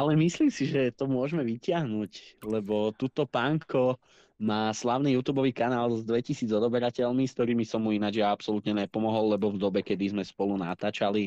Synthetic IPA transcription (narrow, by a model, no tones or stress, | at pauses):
alɛmisliːmsiʒɛt̪ɔmʊɔʒmɛʋicɪaɦnuːclɛbɔt̪uːt̪ɔpaŋkɔ | maːslaʊniːjuːt̪uːbɔʋiːkanaːlzd̪ʋɛcisiːd͡zɔd̪ɔbɛɾacɛʎmiskt̪ɔɾiːmisɔmːuinad͡ʒjaapsɔlut̪ɲɛɲɛpɔmɔɦɔlːɛbɔvd̪ɔbɛkɛd̪izmɛspɔluna̰t̪aːt͡ʃali